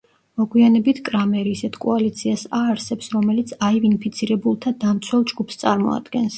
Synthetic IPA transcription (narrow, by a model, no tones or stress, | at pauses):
mɔɡwianɛbit̪ʰkʼɾamɛɾiːsɛt̪ʰkʼɔalit̪sʰiasaːɾsɛpsɾɔmɛlit̪sʰaivinpʰit̪sʰiɾɛbulˠt̪ʰad̪amt̪sʰwɛlˠd͡ʒɡupʰst̪sʼaɾmɔ̰a̰d̪̥ɡɛns